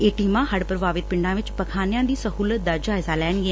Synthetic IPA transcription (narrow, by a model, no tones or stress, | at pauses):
eːʈiːmãːɦəɽpəɾʋaːʋɪt̪̚pɪɳɖãːʋɪt͡ʃpəkʰaːnɪjãːd̪iːsəɦuːlət̪̚d̪aːd͡ʒaːɪzaːlɛːɳ̃ɡɛ